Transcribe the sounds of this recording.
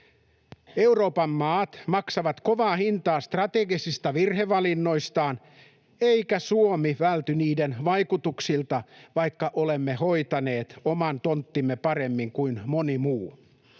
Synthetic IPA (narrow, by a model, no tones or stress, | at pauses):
e̞uro̞ːpɑmːɑːt̪mɑksɑʋɑt̪ko̞ʋɑːhint̪ɑːst̪rɑt̪eɡisist̪æʋirheʋɑlinːoist̪ɑːn | eikæsuomiʋælt̪yniːdenʋɑjkut̪uksilt̪ɑʋɑikːɑʔolemːehoit̪ɑneːt̪omɑnt̪ont̪ːimːepɑremːiŋkuinmonimuː